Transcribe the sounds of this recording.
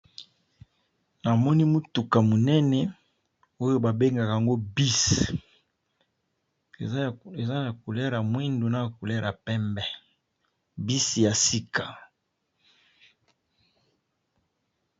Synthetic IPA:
na˨mɔ˦ni˦mu˦tu˨ka˨mo˨nɛ˦nɛ˨ | o˦jo˦ba˨be˦ŋɡa˨ka˨a˨ŋɡo˦bi˦s | ḛ˨ze˨za˦na˨ku˨lɛ˦ɾa˨mwi˦ndu˨na˦˨ku˨lɛ˦ɾa˨pɛ˦mbɛ˦ | bi˦si˨ja˨si˦ka˨

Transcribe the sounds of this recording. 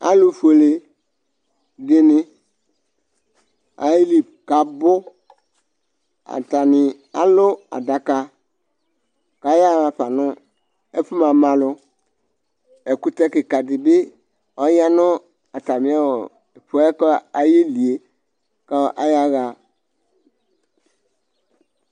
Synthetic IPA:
a̰˨lʊ˦fo˨le˨ | dɪ˦nɪ̃˦ | a̰˨ji˦li˨ | ka˨bʊ˦ | a̰˨ta˨nɪ˨ | a˨lʊ˦a̰˨da˨ka˦ | ka˨ja˦ɣa˨ɸa˨nʊ̃˦ | ɛ˦fu˦mã˨mã˨lʊ˦ | ɛ˨ku˦tɛ˦kɪ˨ka˨dɪ˨bɪ˦ | ɔ˨ja˦nʊ̃˦ | a˨ta˨mɪ̃˨˦a˦wo˨ | e˨pʊ˨˦ɛ˦kɔ˦a˨je˦li˨e˨ | ka˦ʔa˦ja˦ɣa˨

